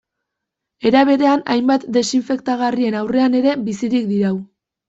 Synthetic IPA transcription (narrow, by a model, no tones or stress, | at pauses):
e̞ɾaβ̞e̞ðe̞ana̰jmbat̪d̪e̞siɱfe̞k̚t̪aɣarie̞nawre̞ane̞ɾe̞bisiɾikd̪iɾaw